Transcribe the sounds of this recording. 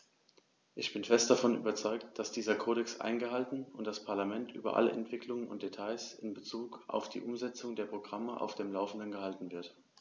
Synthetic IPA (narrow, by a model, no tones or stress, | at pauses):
ʔɪçb̥ɪnfɛst̚d̥afɔnʔy̰ːbɐt͡sɔʏktd̥asd̥iːzɐkʰoːɾɛksʔa̰ɪnɡəhaltn̩ʊntd̥aspʰaɐlamɛntʔyːbɐ̰ʔa̰ləʔɛ̰ntv̥ɪkʰlʊŋənʊ̰nt̚d̥etʰaɪsɪnbət͡suːkʔa̰ʊfd̥ḭːʔʊmzɛt͡sʊŋdeːɐpʁ̥oɡʁaməʔa̰ʊfd̥eːmlaʊfn̩dənɡəhaltn̩vɪɐt